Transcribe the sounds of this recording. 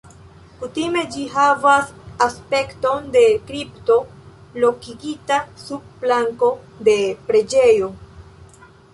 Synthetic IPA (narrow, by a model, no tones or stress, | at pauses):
kutime̞d͡ʒiɦavasaspe̞kto̞nde̞kɾipto̞lo̞kiɡitasub̚ːlaŋko̞de̞pɾe̞d͡ʒe̞jo̞